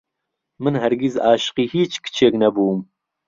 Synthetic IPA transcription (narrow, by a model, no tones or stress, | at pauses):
mɨnɦɛɾɡizaːʃɨ̥qiːhiːt͡ʃkɨ̥t͡ʃʰeːknɛbuːm